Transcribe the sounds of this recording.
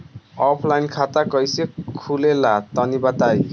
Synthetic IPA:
ɔpʰlajnkʰat̪akʌjsekʰulelat̪ʌnibat̪aj

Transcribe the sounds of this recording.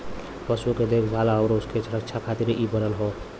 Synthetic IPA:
pʌsuked̪ekʰɡʱalaəʊɾouskesɾəkt͡ʃʰakʰat̪iɾʔibənəlɦo

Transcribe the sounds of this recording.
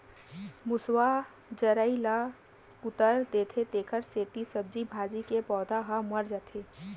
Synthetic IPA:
mʊswa | d͡ʒəɾəila | ʊt̪əɾd̪et̪ʰet̪eːkʰəɾseːt̪isəb̚d͡ʒibʱaːd͡ʒikepɔːd̪aɦaməɾd͡ʒət̪ʰe

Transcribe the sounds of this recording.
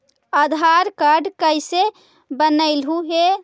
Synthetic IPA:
əd̪ʱaɾkaɖkəjse | bənəɪlɦuɦe

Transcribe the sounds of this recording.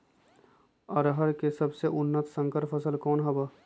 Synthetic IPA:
ɐɾɦəɾkesɐbseʔʊnːət̪sə̃ŋkəɾfʰəsəlkɔːnɦɐba

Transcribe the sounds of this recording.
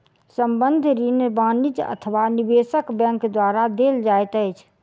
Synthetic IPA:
səmbənd̪ʱɾinbãnid͡ʒə̰t̪ʰəʋanibesəkbɛ̃ŋkd̪waɾad̪eld͡ʒajt̪əjt͡ʃʰ

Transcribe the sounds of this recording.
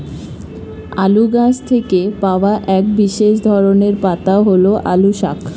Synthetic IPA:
aluɡãd͡ʑt̪ʰekepaoaʔɛk̚biʃeʃd̪ʱɔɾoneɾpat̪aoɦoloʔa̰luʃa̰k

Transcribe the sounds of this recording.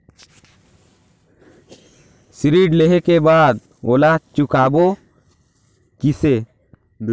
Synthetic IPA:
sɾiɖlɛɦɛkɛbad̪̚ | ɔlat͡ʃukabɔ | kise

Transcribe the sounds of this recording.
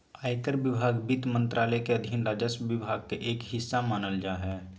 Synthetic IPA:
aːɪkəɾʋɪbʱaːɡbɪt̪mə̃nt̪ɾʔaːlɛkeəd̪ʱɪnɾaːd͡ʒəsʋɪbʱaːɡ̚keʔeːkɦɪsːamaːnəld͡ʒaːɦɛː

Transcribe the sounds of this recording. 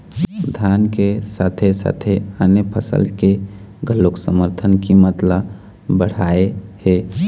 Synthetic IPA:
d̪ʱjaːnkesaːt̪ʰesa̰ːt̪ʰeənjəpʰəsə̰lke | ɡʱəlːoksəməɾt̪ʰənkimət̪ləb | bəɽ̤aːehɛː

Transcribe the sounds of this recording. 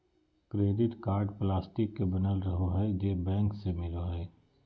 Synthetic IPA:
kɾeːd̪ɪt̪kaːɾɖplaːsʈɪkːebɐnəlɾɐɦoɦɛd͡ʒeːbɛ̃ːŋksemɪloɦɛː

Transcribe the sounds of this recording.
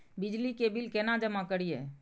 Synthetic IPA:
bɪd͡ʒlikebɪlkɛnad͡ʒəmãkəɽije

